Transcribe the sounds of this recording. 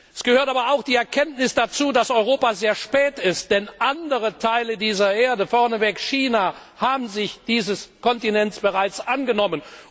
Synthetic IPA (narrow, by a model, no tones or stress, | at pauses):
ʔɛsɡ̥əhøːɐtaːbɐaʊxd̥iːɛɐkʰɛntnɪsd̥at͡suːdasʔɔʏʁ̞oːpazeːɐʃpɛːtɪst̚d̥ɛnʔandəʁətʰaɪlədiːzɐʔeːɐdəfɔɐnəvɛkʃiːna | haːbm̩zɪçd̥iːzəskʰɔntinɛnsb̥əʁaɪt͡sʔanɡənɔmən